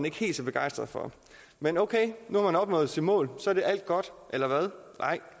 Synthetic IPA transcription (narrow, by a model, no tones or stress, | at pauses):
ne̝ɡ̥he̝̰ːldsɒb̥e̝ɡ̥ɑ̈ɪ̰sd̥ʁɐðˠfɒ̽ | menoʊkʰeɪnuhɑ̈mænɒ̽b̥nɔ̽ːð̩ˠsid̥mɔ̰̽ːlsɒ̽æɐd̥e̝ʔæl̰d̥̚ɡ̥ɒ̽d̥ʔelɐʋæð̞ˠnʔɑ̈ɪ̰